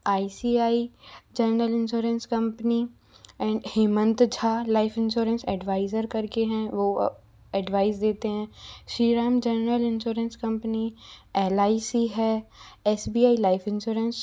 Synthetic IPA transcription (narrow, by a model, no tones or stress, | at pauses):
aːisiːaːid͡ʒənɾəlɪ̃nʃuːɾə̃nskəmpni | ɛ̃ːɳɖhɪːmə̃nt̪d͡ʒʱaːlaːɪpʰɪ̃nʃoːɾə̃nsɛɖʋaːɪzəɾkəɾkeɦɛ̃ːʋo̰ː | ɛɖʋaːɪzd̪eːt̪eɦɛ̃ːʃiːɾaːmd͡ʒɛnɾəlɪnʃoːɾə̃nskə̃mpniɛːlaːisiːɦɛːɛsbiːaːilaːɪpʰɪ̃nʃoːɾəns